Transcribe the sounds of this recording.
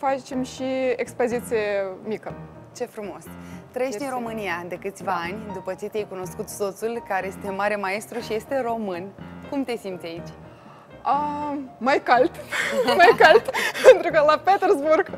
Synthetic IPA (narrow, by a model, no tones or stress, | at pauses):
fat͡ʃemʃiekspozit̪sijemikə | t͡ʃe̞fɾumo̞st̪ɾəjeʃt̪inɾo̞mɨnijad̪e̞kɨt̪sʲvaanʲd̪upət͡ʃe̞t̪iejkuno̞skut̪so̞t̪sulkaɾeje̞st̪e̞maɾe̞mae̞st̪ɾuʃije̞st̪e̞ɾo̞mɨnkumt̪e̞simt̪sʲait͡ʃʲ | əmajkalt̪majkalt̪pe̞nt̪ɾukəlapet̪erzburɡ